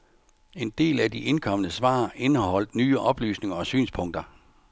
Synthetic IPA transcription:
e̝nd̥e̝̰ːlædiʔe̝nkʰɒ̽mənəsʋɑ̰̈ːe̝nəhɒ̽l̰d̥nyːəʔɒ̽b̥ly̰ːsne̝ŋɐɒ̽sy̰ːnspʰɔ̽ŋ̰d̥ɐ

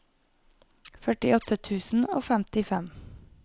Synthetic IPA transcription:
fœʈɪɔt̪ʰət̪ʰʉːsn̩o̰ːfæmt̪ɪfɛm

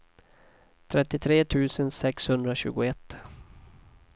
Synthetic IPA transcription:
t̪ʰɾɛt̪ːɪt̪ʰɾeːt̪ʰʉ̟ːsənsɛkshɵnd̪ɾaɕʉ̟ːɡʊɛt̪ː

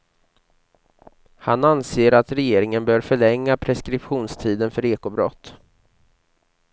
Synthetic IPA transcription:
hananseːɾat̪ɾɛjeːɾɪŋənbœːɾfœɭɛŋːapʰɾɛskɾɪpɧuːnst̪ʰiːd̪ənfœɾeːkʊbɾɔ̰t̪ː

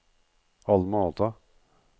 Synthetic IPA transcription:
ɑlːmoːt̪ʰə

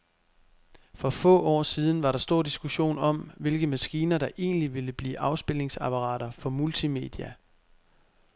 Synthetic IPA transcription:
fɒ̽fɔ̰̽ːʔɒ̰ːsiːð̞ˠn̩ʋɑ̈ɾ̥ɑ̈sd̥o̝ɐ̰d̥isɡ̥uɕo̝̰ːnɒ̽mʋe̝lɡ̥əmæsɡ̥iːnɐd̥ɑ̈ʔe̝̰ːnliʋe̝ləb̥lḭːʔɑ̈ʊsb̥e̝le̝ŋsæpʰɑ̈ʁɑ̰̈ːɾɐfɒ̽mult͡sʰime̝̰d̥iæ

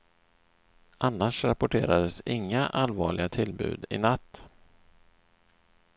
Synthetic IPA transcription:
ʔanːaʂɾapʊʈʰeːɾad̪əsɪŋːaʔalvɑːɭɪɡat̪ʰɪlbʉ̟̰ːd̪ɪ̰nat̪ː

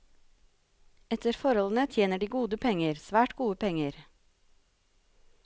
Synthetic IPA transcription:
ɛt̪əɾfɔɾɔln̩ət̪ʰjeːnəɖiːɡuːd̪əpʰɛŋəɾsʋæːʈɡuːəpɛŋəɾ

